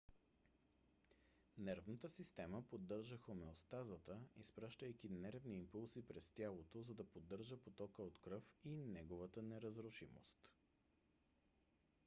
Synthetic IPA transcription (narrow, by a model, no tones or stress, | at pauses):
nɛɾvnət̪əsist̪ɛməpod̪ːɤɾʒəxomɛost̪azət̪əispɾaʃt̪əjkʲinɛɾvniːmpulˠsipɾɛst̪ʲjalˠot̪ozɐd̪ɐpod̪ːɤɾʒəpot̪ɔkəot̪kɾɤfinɛɡovət̪ənɛɾəzɾʊʃḭmo̰st̪